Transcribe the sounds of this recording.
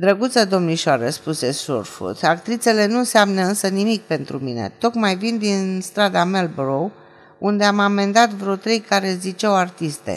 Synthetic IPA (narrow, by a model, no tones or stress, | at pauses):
d̪ɾəɡut̪səd̪o̞mniʃaɾəspuse̞sṵrfṵt̪akt̪ɾit̪se̞le̞nunseamnəɨnsənimik̚pe̞nt̪ɾumine̞̰t̪o̞kmajvind̪inst̪ɾad̪amelbɾow | und̪e̞amame̞nd̪at̪vɾo̞t̪ɾe̞jkaɾe̞zit͡ʃawart̪ist̪ḛ